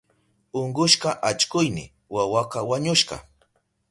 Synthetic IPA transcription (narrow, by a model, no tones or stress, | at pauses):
oɴɢʊʃqɑʔat͡ʃkʊjnɪ̰ | wawaqawaɲʊʃɢɑ̰